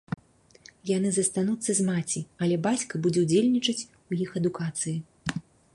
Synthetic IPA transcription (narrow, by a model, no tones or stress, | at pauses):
janɨzɐst̪an̪ut̪sːɐzmat͡sʲiɐlʲɛbat͡sʲkɐbud͡zʲɛwd͡zʲelʲnʲit͡ʂɐt͡sʲ | ujixɐd̪ukat̪sɨji